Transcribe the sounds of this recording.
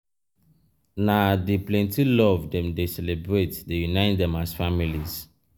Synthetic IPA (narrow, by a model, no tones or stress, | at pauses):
nadiplɛ̃ntilɔvdɛ̃mdesɛlebɹetdejunaɪtdɛ̃masfamiliz̥